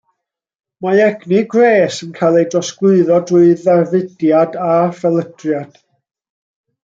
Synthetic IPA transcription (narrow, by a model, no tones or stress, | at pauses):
maɛɡniɡreːsənkʰaːjlˠejdrɔsɡ̥wɨɨðɔdrʊɨðarvɪdjadafɛlˠəd̥rjad̥